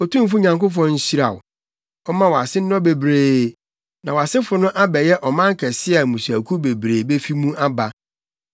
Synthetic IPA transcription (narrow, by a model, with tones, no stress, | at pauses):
ɔ˨tʰũ˦m̩˦fʊ˦ɲã˨ŋkʊ˦f̬ɔ̃˦n̩˦ɕi˦ɾa̰˨ʊ˨ | ɔ˦mã˦wɔ˨a˨sɪ˦n̩˦ɔ̃˦be˨bɾeː˨ | nã˨wɔ˨a˨sɪ˦fʊ˨nʊ̃˦ʔa˦bɛ˨jɛ˦ʔɔ˨mã˦ŋ̩˦kʰɛ˨sɪ˦a˨mũ˨sæ˨kʰu˦be˨bɾeː˨be˦fi˦mũ˦a˦ba˨